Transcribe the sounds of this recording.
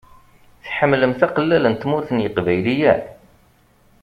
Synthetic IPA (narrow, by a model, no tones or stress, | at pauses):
θħəmːləmθæqəlːælənt̪mʊɾθənjəqvæjlijæ̰